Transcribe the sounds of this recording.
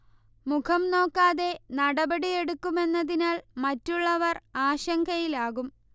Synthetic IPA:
mukʰɐmno̞ːkːaːðe̞nɐɽɐbɐɽije̞ɽukːume̞nːɐðinaːɭmɐtːuɭːɐʋɐraːɕɐŋɡʰʱɐjilaːɣum

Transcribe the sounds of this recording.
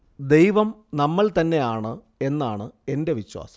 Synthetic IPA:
d̪e̞jʋɐmnɐmːɐɭt̪ɐnːe̞jaːɳɨ | e̞nːaːɳɨe̞nde̞ʋiɕwa̰ːsɐ̥

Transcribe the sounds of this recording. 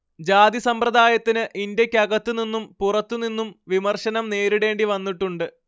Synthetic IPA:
d͡ʑaːd̪isɐmprɐd̪aːjɐt̪ːinɨʔindɐkʲːɐɣɐt̪ːuninːumpurɐt̪ːuninːumʋimɐrʂɐnɐmne̞ːɾiɽe̞ːɳɖiʋɐnːiʈːuɳɖɨ

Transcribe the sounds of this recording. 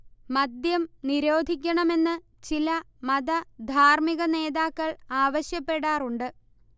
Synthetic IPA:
mɐd̪jɐmniɾo̞ːd̪ʱikʲːɐɳɐme̞nːɨ | t͡ɕilɐ | mɐðɐd̪ʱaːrmiɣɐne̞ːðaːkːɐɭaːʋɐɕjɐpːe̞ɽaːruɳɖɨ

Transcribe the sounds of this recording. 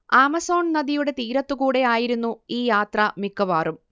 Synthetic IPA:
aːmɐso̞ːɳnɐd̪ijuɽe̞t̪iːɾɐt̪ːukuːɽe̞aːjiɾunːuiːjaːt̪rɐmikːɐʋaːrum

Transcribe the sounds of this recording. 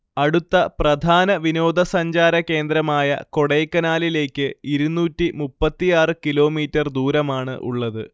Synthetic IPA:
ɐɽut̪ːɐprɐd̪ʱaːnɐʋino̞ːd̪ʱɐsɐɲd͡ʑaːɾɐke̞ːnd̪ɾɐmaːjɐ̰ko̞ɽejkːɐnaːlile̞ːkʲːɨiɾunːuːtːimupːɐt̪ːijaːrɨkilo̞ːmiːtːɐrd̪uːɾɐmaːɳɨ̰ʔṵɭːɐðɨ

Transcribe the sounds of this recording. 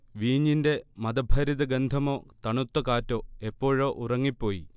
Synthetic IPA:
ʋiːɲːinde̞mɐd̪ɐbʱɐɾiðɐɡend̪ʱɐmo̞ːt̪ɐɳut̪ːɐkaːtːo̞ːe̞pːo̞ːɻo̞ːʔurɐŋːipːo̞ːjḭ

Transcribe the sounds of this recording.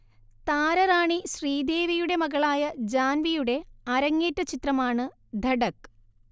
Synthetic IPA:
t̪aːɾɐɾaːɳiɕriːd̪e̞ːʋijuɽe̞mɐɣɐɭaːjɐd͡ʑaːnʋijuɽe̞ɐɾɐŋːeːtːɐt͡ɕit̪rɐmaːɳɨ | d̪ʱɐɽɐkː

